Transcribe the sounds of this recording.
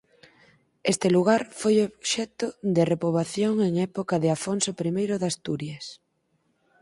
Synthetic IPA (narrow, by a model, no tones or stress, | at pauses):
est̪ɪluɣaɾfojoβʃɛt̪ʊd̪ɪrepoβaθjoŋeŋɛpokaðɪafonsopɾimejɾʊðast̪uɾjes